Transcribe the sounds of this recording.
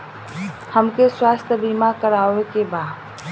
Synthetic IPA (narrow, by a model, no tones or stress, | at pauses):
həmkeswaːst̪ʰəbimakəɾaːʋekebaːd̪